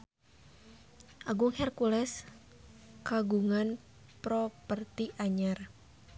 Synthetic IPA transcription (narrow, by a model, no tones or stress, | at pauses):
ʔaɡʊŋhɛrkulɛs | kaɡuŋan | pɾɔpərt̪iʔaɲar